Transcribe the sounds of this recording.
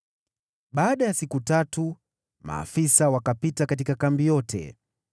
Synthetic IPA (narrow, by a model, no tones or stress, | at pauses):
ɓaːɗajasikutatu | ma̰ːfisawakapitakatikakambijɔtʰɛ̰